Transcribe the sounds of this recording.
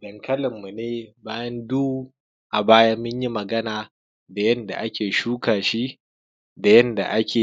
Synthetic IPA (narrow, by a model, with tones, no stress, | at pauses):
dɐ˨ŋkʰɐ˦lɪ˨mːu˨neː˦baː˦jɐ˦nduː˦ | ʔa˨baː˦ja˦mʊ˦ɲji˦mɐ˨ɡɐ˦naː˨ | da˨jɐ˦nda̰˨ʔa˦kʲeː˨ʃuː˦kaː˨ʃi˦ | da˨jɐ˦nda̰˨ʔa˦kʲeː˨